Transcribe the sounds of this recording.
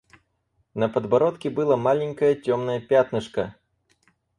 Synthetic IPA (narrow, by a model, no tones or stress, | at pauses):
nɐpɐd̪baɾɔt̪kʲibɨlˠamalʲɛnʲkɐjɐt͡sʲɔmnɐjɐpʲat̪nɨʂkɐ